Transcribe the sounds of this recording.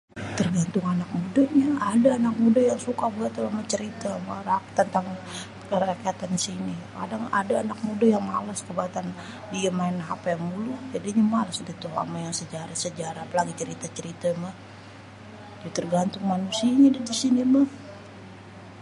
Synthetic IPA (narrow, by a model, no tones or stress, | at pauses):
t̪ərɡant̪ʊŋanak̚mudaɲaadaːnak̚mudajaŋsukabəat̪ulamat͡ʃəɾit̪amarakt̪ənt̪aŋ | kəɾakiat̪ansinika̰daŋa̰daːnak̚mudajaŋmalaskəbaat̪an | diamaɪnːaɦapajaŋmulud͡ʒadiɲamalasdit̪uɦa̰majaŋsəd͡ʒaɾasəd͡ʒaɾaːpalaɡit͡ʃəɾit̪at͡ʃəɾit̪amah | dit̪ərɡant̪ʊŋmanusiaɲadadisinimah